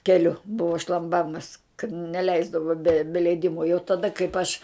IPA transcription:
kʲɛˈlʲʊ ˈbʊʋoː ʃlˠɐmˈbɑːmɐs kɐt nʲɛˈlʲɛɪzdɐʋoː bʲɛ bʲɛ lʲɛɪˈdʲɪmoː jɛʊ tɐˈdɐ kɐɪp ɐʃ

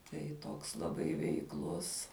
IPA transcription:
tɐɪ ˈtoːks lˠɐˈbɐɪ ʋʲɛɪkˈlˠʊs

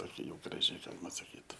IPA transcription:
ˈtoːkʲɛ jɛʊ ɡrɐˈʒʲɪ ˈɡɑːlʲɪmɐ sɐˈkʲiːt

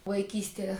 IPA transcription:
ʋɐɪˈkʲiːsʲtʲiɛ

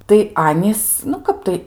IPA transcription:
tɐɪ ˈɑːnʲiːs nʊ ˈkɐp tɐɪ

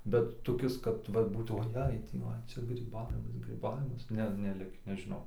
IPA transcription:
bʲɛt toːˈkʲɪs kɐt ˈʋɐ ˈbuːt oːˈjɛɪ ˈtʲiː ʋɐ ˈt͡ʃʲɛ ɡrʲiːˈbɑːʋʲɪmɐs ɡrʲiːˈbɑːʋʲɪmɐs ˈnʲɛ nʲɛˈlʲɪkʲiː nʲɛʒʲɪˈnɐʊ

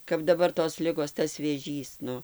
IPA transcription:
kɐp dɐˈbɐr toːs ˈlʲɪɡoːs tɐs ʋʲeːˈʒʲiːs ˈnʊ

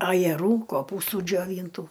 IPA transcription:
ɐjɛˈruː koːˈpuːstuː d͡ʒʲoːˈʋʲiːntuː

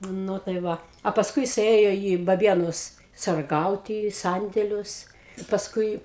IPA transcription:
ˈnʊ tɐɪ ˈʋɐ ɐ pɐsˈkʊɪ jɪˈsɐɪ ˈeːjoː iː bɐˈbʲiɛnʊs sɐrˈɡɐʊtʲɪ iː ˈsɐnʲdʲeːlʲʊs ɪ pɐsˈkʊɪ

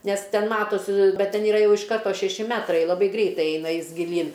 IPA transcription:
ˈnʲɛs ˈtʲɛn ˈmɑːtoːs ˈbʲɛt ˈtʲɛn ɪˈrɐ ˈjɛʊ ɪʃ ˈkɐrtoː ʃʲɛˈʃʲɪ ˈmʲæːtrɐɪ lˠɐˈbɐɪ ˈɡrʲɛɪtɐɪ ˈɛɪnɐ ˈjɪs ɡʲɪˈlʲiːn

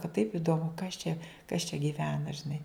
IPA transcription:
kɐ tɐɪp ɪdoːˈmʊ kɐs t͡ʃʲɛ kɐs t͡ʃʲɛ ɡʲiːˈʋʲæːnɐ ʒʲɪˈnɐɪ

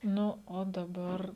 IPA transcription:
ˈnʊ oː dɐˈbɐr

